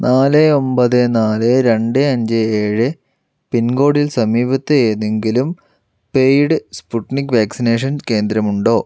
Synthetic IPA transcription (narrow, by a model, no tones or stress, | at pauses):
naːlɨo̞mbɐðɨnaːlɨɾe̞ɳɖɨɐɲd͡ʑɨeːɻɨ | pinɡo̞ːɽilsɐmiːbɐt̪ːɨeːðeŋɡilum | pejɽɨspuʈnikːʋaːksine̞ːʂ̬ɐnke̞ːnd̪ɾɐmuɳɖo̞ː